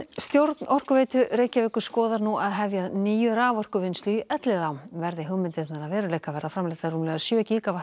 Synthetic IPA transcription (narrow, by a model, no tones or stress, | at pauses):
st̪jowɾt̪nʔɔr̥kʏveːjt̪ʏɾeːjcavɪhkʏ̥skɔːðaɾnuaðɦɛvjaðniːjʏɾaːvɔr̥kʏvɪnst̪yiʔœt̪lɪðawmvɛɾðɪɦʏɣmɪnt̪ɪɾt̪naɾaðvɛːɾʏleːjkavɛːɾðafɾamlɛjt̪aruːmlɛɣðasjœːciːkava